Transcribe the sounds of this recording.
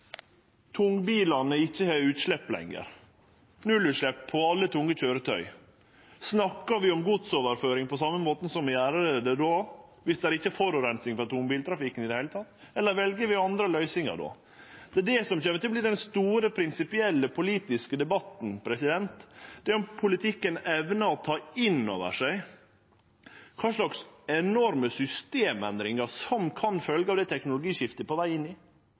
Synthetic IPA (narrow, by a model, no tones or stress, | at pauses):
t̪ʰʊŋbiːlɑnəɪçːəhœʉːt̪ʂɭɛpːlɛ̰ŋːə̰ɾ | nʉlʉːt̪ʂɭɛpʰːɔɑlːət̪ʰʊŋːəc͡çøːɾət̪ʰœʏ | snɑkːɑʋɪɔmɡʊd̪soːʋəɾføːɾɪŋpʰɔsɑmːəmoːt̪n̩sɔmʋɪæːɾəɾəd̪ɛd̪oːʋɪsd̪ɛæɾɪçːəfɔɾɔɾɛnsɪŋfɾɑt̪ʰʊŋbiːlt̪ɾɑfɪkənɪd̪ɛhæɪlət̪ʰɑt̪ːɛlːəɾʋɛlɡəʋɪɑnd̪ɾəlœʏsɪŋɑ̰d̪o̰ː | d̪̥ɛæɖɛsɔmçɛːmət̪ʰɪlblɪd̪ɛnst̪uːɾəpʰɾɪnsɪpɪɛlːəpʰʊliːt̪ɪskəd̪ɛbɑt̪n̩pʰɾɛsɪd̪ɛnt̪d̪̥ɛæɾɔmpʰʊlɪt̪ʰɪkːənɛʋnəɔt̪ʰɑːɪnːo̰ːʋə̰ʂæɪ | kʰɑːʂlɑksɛnɔɾməsʏst̪eːmɛnd̪ɾɪŋɑɾsɔmkʰɑnfœlɡəɑʋd̪æɛɪt̪ʰɛknʊlʊɡiːʃɪft̪əpɔʋæɪɪnːɪ